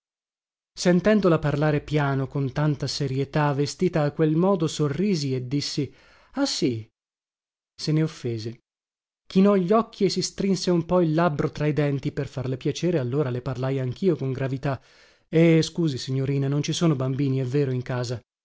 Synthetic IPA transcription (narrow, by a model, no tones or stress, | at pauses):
sent̪ɛnd̪olaparlaːɾepjaːnokont̪ant̪aseɾjet̪avːest̪iːt̪aːkːwelmɔːd̪osorːiːzied̪ːisːi | asi | seneofːeːze | k̟inɔʎːɔkʰːiesːist̪ɾinseumpɔilːabɾot̪ɾaid̪ɛnt̪iperfarlepjat͡ʃeːɾealːoːɾaleparlajaŋk̟ʰiːokoŋɡɾavit̪a | eskuːzisiɲːoɾiːnanont͡ʃisoːnobambiːniɛvːeːɾoiŋkaːza